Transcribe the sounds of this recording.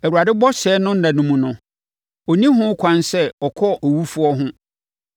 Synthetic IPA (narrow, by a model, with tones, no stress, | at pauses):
ɛ˨u˨a˨dɪ˦bɔ˦ɕɛː˨˦nʊ̃˦n̩˦nã˨nũ˦mũ˨nʊ̃˨ | ɔ˨nĩ˦ɦʊ̃˦kʰʷã˦nsɛ˦ɔ˨kʰɔ˦ɔ˨wu˦fu˦ɔ˦ɦʊ̃˦